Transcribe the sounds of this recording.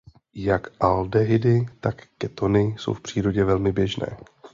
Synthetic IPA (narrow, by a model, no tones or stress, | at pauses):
jakʔaldɛɦɪdɪt̪akːɛt̪o̞nɪso̞̰wfpr̥iːɾo̞ɟɛvɛlmɪbjɛʒnɛ̰ː